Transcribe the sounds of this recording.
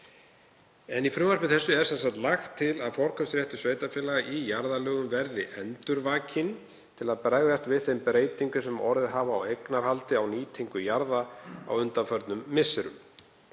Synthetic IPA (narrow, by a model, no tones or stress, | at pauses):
ɛnifɾʏːvaɾpɪθɛsːʏɛɾsɛnsakt̪laxt̪ʰːɪlaðfɔɾ̥kʰœmsɾjɛht̪ʏ̥sveːjt̪afjɪːlaɣaʔijaɾðalœːɣʏmvɛɾðɪʔɛnt̪ʏɾvaːcʰɪn | t̪ʰɪlaðpɾaɣðast̪vɪðθejmpɾeːjt̪iŋkʏsɛmɔɾðɪðɦaːvaːwejknaɾ̥halt̪ɪawniːt̪ʰiŋkʏjaɾðaa̰wʏnt̪afœɾt̪nʏmːɪsːɪɾʏ̰m